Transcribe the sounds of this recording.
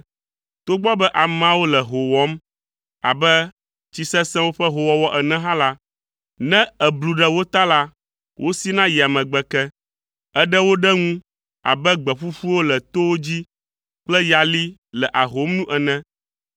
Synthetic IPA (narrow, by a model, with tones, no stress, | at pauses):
t̪o˦ɡ͡bɔ˦bɛ˦ʔa˨m˦ã˦wo˦lɛ˨ɦo˨wɔ˦m | a̰˨bɛ˦ | t͡ɕi˦sɛ̃˦sɛ̃˦wo˦ɸɛ˦ɦo˨wɔ˦wɔ˦ʔɛ˨nɛ̃˦ɦã˦la˦ | nɛ̃˦ɛ˨blu˨ɖɛ˦wo˦t̪a˦la˦ | wʔo˦si˦nã˦ji˨a˨mɛ̃˨ɡ͡bɛ˨kɛ˦ | ɛ˦ɖɛ˦wo˦ɖɛ˦ŋũ˦ | a̰˨bɛ˦ɡ͡bɛ˨ɸu˦ɸu˦wo˦lɛ˨t̪o˦wo˦d͡ʑi˦ | k͡plɛ˦ja˨li˦lɛ˨ʔa˨ɦo˨˦mnũ˦ʔɛ˨nɛ̃˦